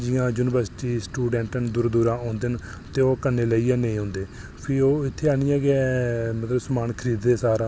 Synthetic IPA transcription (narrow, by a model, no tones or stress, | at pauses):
d͡ʒɪːãːd͡ʒuːnɪbəɾsʈiːsʈuːɖɛ̃ːɳʈnd̪ʊɾd̪uːɾãːõːnd̪en | t̪eːoːkənːeːləiːɛːnẽĩɦõːnd̪eː | pʰɪoːɪt̪ʰːeːaːniːãːɡɛːmət̪ləbsəmaːnkʰəɾiːd̪eːsaːɾãː